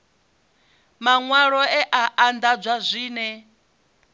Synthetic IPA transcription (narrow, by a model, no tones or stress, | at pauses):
maŋwaɺɔɛʔaʔand̪ad͡zʷazʷiːnɛ